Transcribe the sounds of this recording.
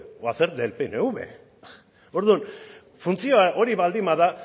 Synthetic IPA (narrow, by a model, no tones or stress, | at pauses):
aθeɾd̪elpeneuβḛ | oɾðun | funt͡sio̞aʔo̞ɾiβald̪imaða